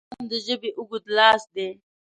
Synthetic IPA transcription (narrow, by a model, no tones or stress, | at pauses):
md̪əʒəbeʔʊɡud̪lɑːsd̪e